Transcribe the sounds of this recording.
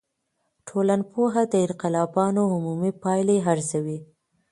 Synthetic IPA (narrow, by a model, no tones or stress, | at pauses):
ʈʰolanpoɦad̪əɪɾqɪlɑbɑnoɦʊmumipɑjleɦaɾsawi